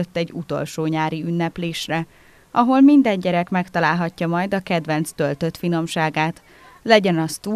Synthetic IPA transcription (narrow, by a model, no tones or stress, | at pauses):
øt̪ːɛɟːut̪o̞̰lʃoːɲaːɾiynːɛpleːʃrɛ | ʔɒɦo̞lmind̪ɛɲɟɛɾɛkmɛkt̪ɒlaːlɦɒcːɒmɒjd̪ɒkɛd̪ʋɛnt̪st̪ølt̪ø̞t̪fino̞mʃaːɡaːt̪ | lɛɟɛnɒst̪uː